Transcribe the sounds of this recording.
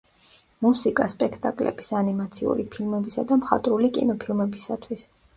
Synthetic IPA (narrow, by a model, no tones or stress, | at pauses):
musikʼaspʼɛkʰt̪ʼakʼlɛ̰b̥isanimat̪sʰiṵɾipʰilˠmɛbisad̪amχa̰t̪ʼɾulikʼḭnɔpʰilˠmɛbisat̪ʰwis